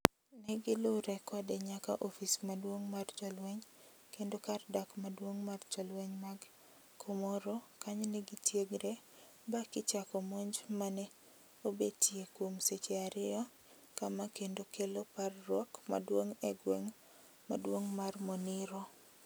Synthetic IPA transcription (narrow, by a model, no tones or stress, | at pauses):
nɛɡɪlʊɾɛkɔdɛɲaka̰ʔɔfismadwoŋmart͡ʃɔlwɛɲ | kendokardakmadwoŋmart͡ʃɔlwɛɲmaɡ | kʰomɔɾokaɲɔnɛɡɪtjeɡɾɛ | bakɪt͡ʃakɔmoɲd͡ʒmanɛ | obetjekwomset͡ʃeaɾɪɔ | kamakendokeloparːwɔkma̰dwoŋɛɡwɛŋ | ma̰dwoŋmarmonɪɾɔ